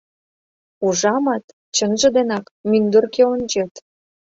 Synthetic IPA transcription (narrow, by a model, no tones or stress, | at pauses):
uʒɑmɑt̪ | t͡ɕənʒĕd̪enɑkmynd̪orkeonʲd͡ʑet̪